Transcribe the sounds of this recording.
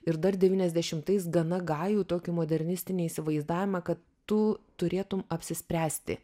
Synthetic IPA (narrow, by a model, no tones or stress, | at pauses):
ɪɾd̪ɐrd̪ʲɛʋʲiːnʲɛzʲd̪ʲɛʃʲɪmt̪ɐɪs̬ɡɐnɐɡɑːjuːt̪oːkʲɪmoːd̪ʲɛɾʲnʲɪst̪ʲɪnʲiiːsʲɪʋɐɪzd̪ɑːʋʲɪmɐkɐt̪ːʊt̪ʊɾʲeːt̪ʊmɐpʲsʲɪsʲpʲɾʲæːsʲt̪ʲɪ̰